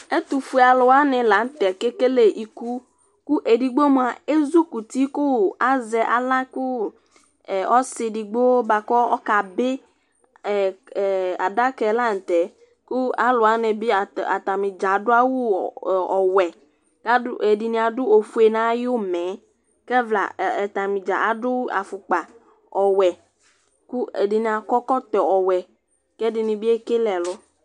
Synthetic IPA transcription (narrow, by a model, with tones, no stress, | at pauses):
e˦tu˨fu˨e˨a˨lʊ˨a˦nɪ˨la˨˦n̩˦tɛ˨ke˦ke˦le˨ʔi˨ku˦ | kʊ˦ʔe˨di˨ɡ͡bo˦m˨a˨e˦zu˦ku˨ti˦kʊ˦a˦zɛ˨ʔa̰˨la˦kʊ˦˨ | ɔ˦sɪ˨di˨ɡ͡bo˦ba˨kɔ˦ɔ˦ka˨bɪ˦˨ | a̰˨da˦kɛ˨la˦n̩˨tɛ˨ | kʊ˦a˦lʊ˨a˨˦nɛ˨bi˦˨a̰˨t̪a˨mɪ˨d͡ʒa˨dʊ˦a˦wu˦˨ɔ˨wɛ˨ | ka˦e˨di˨nĩ˨˦a˨dʊ˦o˨fu˦e˨nã˦jo˦mɛ̃˨˦ | kɛ˦vla̰˨ɛ˨t̪a˨mĩ˨d͡ʒa̰˨ʔa˨dʊ˦a̰˨fʊ˨k͡pa˨ | ɔ˨wɛ˨ | ku˦e˨dɪ˨ni˨a˨kɔ˦kɔ˦t̪ɔ˨ɔ˨wɛ˨ | kɛ˦dɪ˨nĩ˨bi˦e˦ke˦lɛ˨lɔ˦